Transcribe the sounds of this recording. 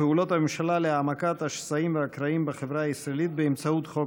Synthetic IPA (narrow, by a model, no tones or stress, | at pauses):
eulo̞t̪hamemʃalaleaːmakat̪haʃsaimveakɾaimbaχe̞vʁaaisɾaelit̪̚beːmt͡saut̪χo̞